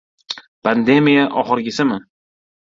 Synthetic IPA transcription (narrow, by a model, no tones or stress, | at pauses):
pʰand̪emijaʔɒχɨɾɡʲɪsɪmɪ